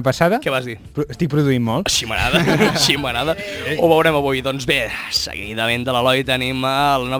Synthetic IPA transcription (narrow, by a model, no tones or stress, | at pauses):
pəsaðəkɛβazðipɾuəst̪ik̚pɾuðuimmɔlˠʃimə̰na̰ðəsʃimənaðəoβəwɾɛməβujðɔnzβesə̰ɣḭðəmend̪ələlɔjt̪əniməlnɔ